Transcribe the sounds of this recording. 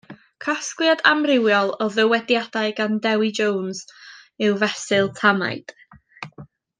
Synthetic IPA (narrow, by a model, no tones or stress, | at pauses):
kʰaskljadamrɪwjɔlˠɔðəwɛdjad̥aɨɡandɛwid͡ʒownzɪwvɛsɪlˠtʰama̰ɨd̥